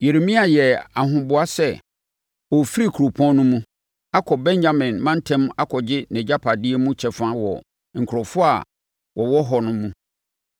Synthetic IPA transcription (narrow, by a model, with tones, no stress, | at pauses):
je˨ɾe˨mĩ˦a˨jɛ˨a˨ɦʊ̃˨bʊ˨a˦sɛ˦ | ɔ˨fi˦ɾi˦kʰu˨ɾo˨pʰɔ̃˦nʊ̃˦mũ˦ | a˦kʰɔ˨bɛ̃˦ɲd͡ʑa˦mɪ̃˨nmã˦n˦tʰɛ̃˦ma˦kʰɔ˨d͡ʑɪ˦nɛ̃˨d͡ʑa˦pʰa˨dɪ˦ɛ˦mũ˦t͡ɕʰɛ˨fʊ˦ã˦wɔ̰˨ | ŋ̩˨kʰʊ˨ɾɔ˨fʊ˦a̰˨ | wɔ˨wɔ˦ɦɔ˨nʊ̃˦mːũ˦